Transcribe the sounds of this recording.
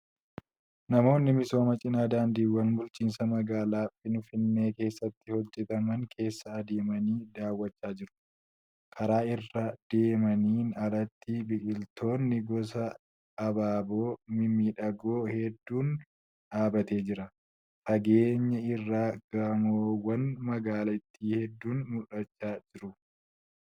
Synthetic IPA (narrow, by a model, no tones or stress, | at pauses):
nɐmo̞ːnːɪmɪso̞ːmɐt͡ʃʼɪnaːd̪aːnd̪iːwːɐnbʊlt͡ʃʼiːnsɐmɐɡaːlaːfɪnʊfɪnːe̞ːke̞ːsːɐt̪ːɪhɔd͡ʒːɛt̪ɐmɐŋkʰe̞ːsːɐːd̪eːmɐniːd̪aːwːɐt͡ʃːaːd͡ʒɪɾʊ̥ | kʰɐɾaːɪrːɐd̪̥e̞ːmɐniːnɐɾɐt̪ːibɪkʼɪlt̪ʰo̞ːnːɪɡɔs̬ɐː | baːbo̞ːmɪmiːᶑɐɡoːhɛd̪ːuːn | ᶑaːbɐt̪e̞ːd͡ʒɪɾɐ | fɐɡe̞ːɲːɐɪrːaːɡ̥ɐmoːwɐnmɐɡaːlɐɪt̪ːiːhɛd̪ːuːnmʊᶑɐt͡ʃːaːd͡ʒɪɾʊ